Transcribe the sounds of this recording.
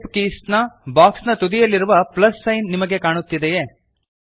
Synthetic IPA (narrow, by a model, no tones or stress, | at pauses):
pkiːsnɐbaːksnɐt̪ud̪ijɐlːiɾuʋɐplɐsːɐjnːimɐɡe̞kaːɳut̪ːid̪ejeː